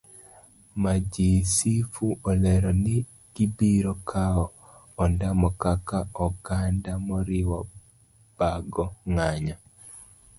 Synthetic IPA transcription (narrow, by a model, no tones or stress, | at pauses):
mad͡ʒisifuɔlɛɾɔnɪ | ɡ̥ibiɾɔkʰaɔ | ɔndamɔkakaɔɡandamɔɾɪwɔ | b̥aɡɔŋaɲa